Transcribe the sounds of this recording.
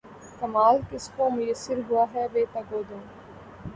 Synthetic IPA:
kɐmaːlkɪskõːmʊjəsːɪɾɦʊaːɦɛːʋeːt̪ɐɡoːd̪õː

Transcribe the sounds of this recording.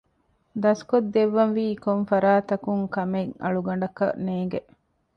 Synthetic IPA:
d̪ɐskod̪ːeʋːɐnʋiːkonfɐɾaːt̪ɐkuŋkɐmeŋɐ̰ɭuɡɐɳ̆ɖɐkɐ̰neːŋɡe

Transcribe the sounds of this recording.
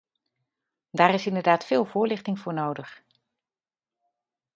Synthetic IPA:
daːrɪsɪndədaːtfɪːlˠvʊːɹlɪχtɪŋvʊːɹnoːdəχ

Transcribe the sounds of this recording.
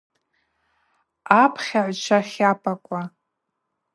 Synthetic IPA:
apʰχʲaʕʷt͡ʃʷʰaχʲapʼakʷʼa

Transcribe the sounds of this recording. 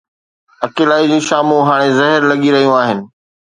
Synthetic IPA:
ɐkeːlaːid͡ʑiːʃaːmuɦaːɽ̃ezɐɦɪɾlɐɠiɾɐɦijũaːɦɪnɪ̆

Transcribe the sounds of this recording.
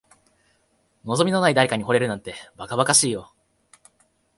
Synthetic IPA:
no̞zo̞mʲinonaid̪aɾe̞kaɲ̟iɦo̞ɾe̞ɾɯ̟nãnt̪e̞bakabakaɕiːjo̞

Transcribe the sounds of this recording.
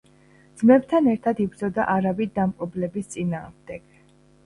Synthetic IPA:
dd̪z̥mɛbt̪ʰanɛɾt̪ʰad̪ibɾd̪zɔd̪aʔaɾavid̪d̪ampʼɔblɛbist̪sʼinaːʁmd̪ɛɡ̥

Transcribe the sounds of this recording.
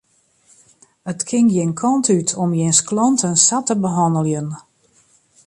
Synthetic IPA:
ətkʰɪŋjɪnkʰɔntʰytʰɔmjɪnsklɔntʰənsatəbəɦɔndəlˠjən

